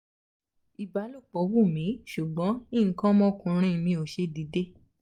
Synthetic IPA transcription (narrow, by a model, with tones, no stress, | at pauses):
i˨ba˨˦lu˦˨k͡pɔ˨˦wu˦˨mĩ˨˦ʃu˨ɡ͡bɔ̃˨˦ĩ˦˨ŋ̩˨˦kɔ̃˦mɔ̃˦o˧kũ˧ɾ̃ĩ˦˧mĩ˧˦o˨ʃe˧di˨˦de˦